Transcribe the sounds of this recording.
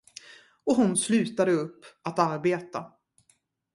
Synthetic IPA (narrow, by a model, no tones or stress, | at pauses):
ɔɦʊnslʉ̟ːt̪ad̪əɵpːat̪aɾbeːt̪a